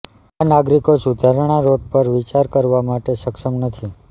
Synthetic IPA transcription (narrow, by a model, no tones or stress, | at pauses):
anaɡɾikosud̪ʱaɾɳ̃aɾoɖ̚pəɾʋit͡ʃaɾkəɾʋamaʈeʃəkʃəmnət̪ʰi